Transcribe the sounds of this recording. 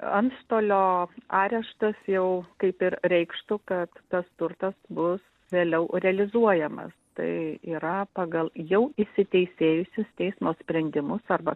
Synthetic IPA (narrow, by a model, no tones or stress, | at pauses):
ɐnt̪ʃt̪oːlʲoːɑːɾʲɛʃt̪ɐsjɛʊkɐɪpɪɾɾʲɛɪkʃt̪ʊkɐt̪ːɐst̪ʊrt̪ɐsbʊs | ʋʲeːlʲɛʊɾʲɛɐlʲɪzuɔjɛmɐ̰st̪ɐ̰ɪiːɾɐpɑːɡɐlˠjɛʊɪʃsʲɪt̪ʲɛɪsʲeːjʊsʲʊst̪ʲɛɪsmoːsʲpʲɾʲɛnʲd̪ʲɪmʊsɐrbɐ